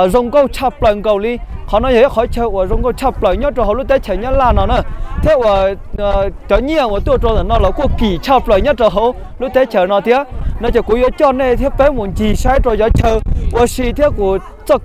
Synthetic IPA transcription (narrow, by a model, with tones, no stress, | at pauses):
zə˧˩wŋ͡mkə˧wt͡ɕʰə˧˩p̚lə˨˧˩ŋkə˨˩wli˧xɔ˨˦nɔ˨˦jə˨˦˧xɔ˨˦jt͡ɕəː˧ʔu˧˩zo˧wŋ͡mkə˧wt͡ɕʰə˧˩p̚ləː˨˩ɲə˦˥t̚ːə˨˧˩ɦə˨˦lu˦˥t̪e˨˦˥t͡ɕʰəː˧˩ɲ˦˥t̚laː˨˩nɔ˨˧˦nə˧˩t̪ʰi˦ə˦ʔə˧˩˨ | t͡ɕɔ˨˦ɲi˧˨ə˨nʔwu˧˩t̪u˧əʈ͡ʂo˧˩nə˨˩nɔ˧˩lɔ˨˧˦ku˧˩əki˧˨˩t͡ɕʰə˧˩pləː˨˩jɲə˦˥t̚ʈ͡ʂə˨˩ɦə˧˦w | lu˦˥t̪e˨˦t͡ɕəː˨˩nɔ˨˧˦t̪ʰi˧˦ənɔ˨˧˦t͡ɕəː˨˩ku˧˦zɔ˨˦t͡ɕɔ˧nne˧t̪ʰi˦˥p̚pe˨˦mu˨˩nt͡ɕi˨˩saː˧˦jʈ͡ʂo˧˩zɔ˨˦t͡ɕəː˧˩ʔu˧˨˦si˧t̪ʰi˦˥əp̚ku˧˩ə | t͡sə˧˩k̚